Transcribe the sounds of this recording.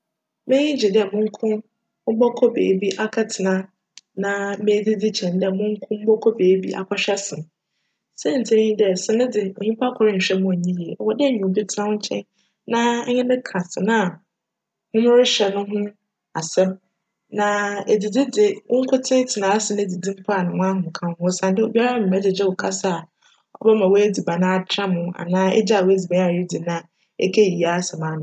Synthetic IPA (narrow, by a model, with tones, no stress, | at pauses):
mẽ˦ɲĩ˦d͡ʑi˨dɪ˦ɛ˨mʊ̃˦ŋ̩˦kʰʊ̃˦ | mʊ˦bɔ˦kʰɔ˦bḛː˨˦bi˦ʔa˨kʰa˦tʰɪ˨nã˨˦ | nã˨mẽ˦di˦di˦t͡ɕʰɛ̃˨ndɛ˦˨mʊ̃˦ŋ̩˦kʰʊ̃˦m̩˦bɔ˦kʰɔ˦beː˨˦bi˦ʔa̰˨kʰɔ˦ɕᶣɛ˦sɪ̃˨m | sɛ˦n̩˨tʰɪ̃˦ĩ˦dɛ˨sɪ˨nɪ̃˦dɪ˨o˨ɲĩ˦pʰa˦kʰɔ˨ɾɪ˦ɲ̩˨ɕᶣɛ˦mʊ̃˨ɲĩ˦ji˨ɛ˨ɔ˨wɔ˨dɛ˦˨ɲĩ˨o˨bi˦tʰã˦wɲ̩˦t͡ɕʰɛ̰̃˦n | nã˦ɲɪ̃˦nɪ̃˦kʰã˨sɪ˨nã˦˨ | hʊ̃˦mʊ̃˦ɾɪ˦ɕɛ˨nʊ̃˦ɦʊ̃˦ | a˨sɛ̃˦m | nã˨e˨di˨dɪ˦dɪ˨ʊ˦ŋ̩˦kʰʷʊ˦tʰɪ̃˦tʰɪ˨nãː˨a˦sɪ˨nɪ̃˦˨di˨dĩ˦m̩˦pʰa˨nʊ̃˨wʊ̃˦ã˦ɦʊ̃˨ŋ̩˨kʰã˦hʊ̃˦sã˨n˦dɪ˦o˨bi˦a˦ɾa˦˨m̩˨mɛ˦dɪ˨d͡ʑɪ˦wʊ˨kʰa˦sa˦˨a˨ | ɔ̰˦bɛ˦mã˨wɔ˦e˦d͡zi˨ba˨nã˦a˨tʰɾa˦mʊ̃˨a̰˨nãː˦ɛ̰˦d͡ʑi˦a˨wo˦æ˦d͡zi˨bã˦a˦˨jɪ˦di˨nã˦a˨ | ɛ̰˦kʰe˦˨i˨a˨˦sɛ˨mãː˨˦nʊ̃˨